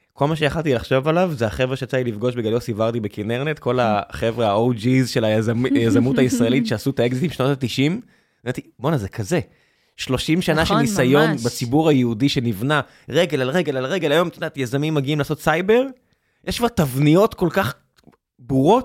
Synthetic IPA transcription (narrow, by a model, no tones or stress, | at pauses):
ko̞lmaʃ̬ejaχalt̪ilaχʃo̞valavzeaχevʁeʃeat͡sailifɡo̞ʃbeɡalosivaʁd̪ibekineʁnet̪ko̞laχe̞vʁeaowd͡ʒizʃelazamjazamutaisʁaelitʃeasutaeɡzit̪imʃnotatiʃim | at̪ibonazekʰaze̞ | ʃlo̞ʃimʃanaʃelnisajo̞nbat͡sibuʁajeudiʃe̞nivna | ʁe̞ɡelalʁe̞ɡe̞lalʁe̞ɡe̞lajo̞mtʃnatjazamimːaɡiimlaːso̞tsajbe̞ʁ | jeʃkvaʁt̪avnijo̞tko̞lkaχ | buʁo̞t̚